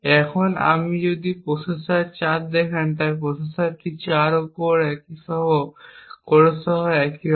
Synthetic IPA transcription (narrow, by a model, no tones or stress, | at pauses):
ɛkʰɔna̰mid͡ʑod̪ipɾosesaɾt͡ɕat̪̚d̪ɛkʰant̪ajp̬ɾosesaɾʈʰit͡ɕaɾokoɾɛkisɔɦɔkoɾesɔɦɔɛki